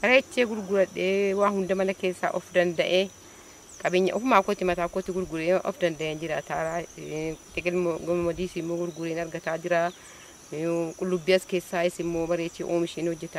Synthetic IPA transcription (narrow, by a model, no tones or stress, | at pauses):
bɐɾeːt͡ʃːeːɡʊɾɡʊɾɐɗːewaːhʊnd̪ɐmɐnɐkeːsːa̰ʔɔfd̪ɐnd̪ɐʔe | kʼɐbɪɲːɐ̰ʔɔfmaːkɔt̪ːɪmɐt̪aːkɔt̪ːɪɡʊɾɡʊɾeːʔɔ̰fd̪ɐnd̪ɐʔeːnd͡ʒɪɾaːt̪aːɾa | t̪ɛɡɛɡɔmmɐd̪iːsɪmːoːɡʊɾɡʊɾeːnɐɾɡɐt̪aːd͡ʒɪɾaː | kʼʊlːʊbːiɐskeːsːaːɪsɪmːoːbɐɾeːt͡ʃːḛːʔoːmɪʃeːnhɔd͡ʒːɛt̪a